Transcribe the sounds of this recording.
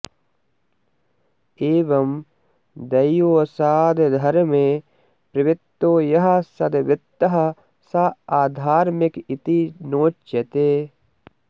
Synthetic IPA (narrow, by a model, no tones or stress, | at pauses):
eːʋɐm | d̪ɐjoːsaːd̪d̪ʱɐɾmẽː | pɾɐʋɪt̪ːoːjɐɦɐ̆sɐd̪ʋɪt̪ːɐɦɐ̆ | sɐaːd̪ʱaːɾmɪkit̪inoːt͡ʃːɐt̪eː